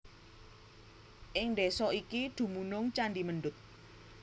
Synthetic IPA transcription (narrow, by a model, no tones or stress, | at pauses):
ʔɪŋnɖesɔikid̪̥ṳmunʊŋt͡ʃandimənɖʊt̪̚